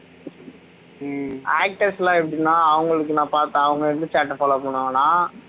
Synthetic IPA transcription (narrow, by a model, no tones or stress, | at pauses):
aːk̚ʈɐɾslaːɛp̬ːɐɽɪnːaːɐʋɐŋɡɐɭɯk̬ːɯnãːpaːɾt̪ãːɐʋɐŋɡɐɪɾɯnd̪ɯt͡ʃaːʈːɐfaːloːpɐɳːaːŋɐnaː